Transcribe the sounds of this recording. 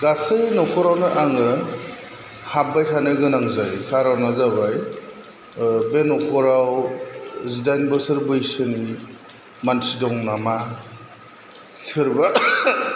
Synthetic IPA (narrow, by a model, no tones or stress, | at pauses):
ɡasejnɔkʰɔɾawnɯʔaŋɯ | hab̚bajtʰanɯɡɯnaŋzajkʰaɾawnazabaj | benɔkʰɔɾaw | zidajnbɯsɯɾbɯjsɯni | mansidɔŋnama | sɯɾba